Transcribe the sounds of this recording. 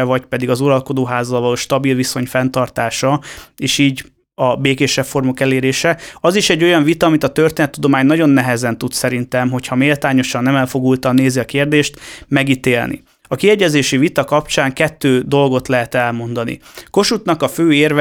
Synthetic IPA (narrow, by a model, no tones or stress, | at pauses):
ɛvɒcpɛd̪iɡɒzuɾɒlko̞d̪oːɦaːzɒlvɒloːʃt̪ɒbilviso̞ɲfɛnt̪ɒrt̪aːʃɒeːʃiːɟ | ɒbeːkeːʃɛpfo̞rmo̞kɛleːɾeːʃɛɒziʃɛɟːo̞jɒɱvit̪ɒːmit̪ɒt̪ørt̪eːnɛt̪ːud̪o̞maːɲnɒɟo̞nːɛɦɛzɛnt̪ut̪sɛɾint̪ɛmɦo̞cʰhɒmeːlt̪aːɲo̞ʃɒnːɛmɛlfo̞ɡult̪ɒnːeːziɒkeːrd̪eːʃt̪mɛɡit̪eːlnḭ | ɒkiɛɟɛzeːʃivit̪ɒkɒpt͡ʃaːŋkɛt̪ːøːd̪o̞lɡo̞t̪lɛɦɛt̪ɛlmo̞nd̪ɒnḭko̞ʃut̪nɒkɒføːeːrv